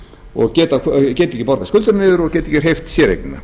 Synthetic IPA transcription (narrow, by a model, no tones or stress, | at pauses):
ɔ̰ɣcɛːt̪akcɛːt̪icɪpɔɾðaskʏlt̪ʏɾnɪðʏɾɔɣcɛːt̪icːɪ̥ɾ̥ɦejft̪sjɛɾḛknʏmɪ̰